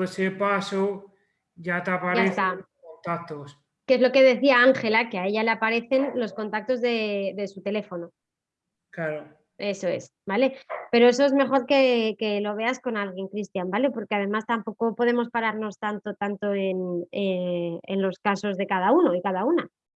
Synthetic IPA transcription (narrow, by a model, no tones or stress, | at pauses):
esepaso | ʝat̪apaɾaest̪a | ont̪ak̚t̪os | ke̞zlo̞ke̞ð̞e̞θiaaŋxe̞lakeaeʝaleapaɾe̞θe̞nlo̞sko̞nt̪ak̚t̪o̞zðe̞ðe̞sut̪e̞le̞fo̞no̞ | klaɾo | e̞so̞e̞s | bale̞pe̞ɾo̞e̞s̬oe̞zme̞χo̞ɾke̞ke̞lo̞β̞e̞asko̞nalɣje̞ŋkɾist̪jambale̞po̞ɾkeaðe̞mast̪ampo̞ko̞po̞ðe̞mo̞spaɾaɾno̞st̪ant̪o̞t̪ant̪o̞e̞nee̞̰nlo̞skaso̞zðe̞kað̞auno̞ikaðauna